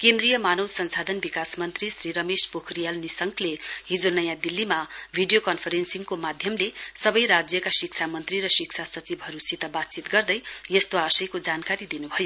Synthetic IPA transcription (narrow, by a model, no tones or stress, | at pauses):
kẽnd̪rijʌmanʌwsʌnsad̪ʱʌnbikasmʌnt̪risriɾʌmespokʰrijalnisʌŋkʰleɦid͡zonʌjãd̪ilːimabʱiɖijokʌnpʰʌɾensiŋkomad̪ʱjʌmlesʌbʌjɾad͡zjʌkasikt͡sʰamʌnt̪riɾʌsik̚t͡sʰasʌt͡sibʱɦʌɾusit̪ʌbat̪̚t͡sit̪ɡʌrd̪ʌjjʌst̪oasʌjkod͡zankaɾid̪inubʱʌjo